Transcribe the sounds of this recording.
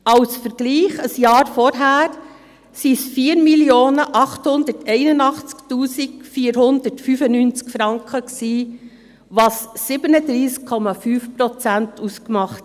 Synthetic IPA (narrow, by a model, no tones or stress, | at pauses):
ɑwsfəɾɡ̥liːχəsjɑːɾfɔɾɦæːɾ | sisfiːəɾmiljoːnəʔɑχthʊnd̪ətʰɛɪnənɑχt͡sktuːsikfiːəɾhʊnd̪əɾtfyfənyːnt͡skfɾɑŋkχəksiː | ʋɑsːɪb̥ənəd̪ɾiːskʰːɔmɑfyːfpɾɔt͡sæntʰuskmɑχt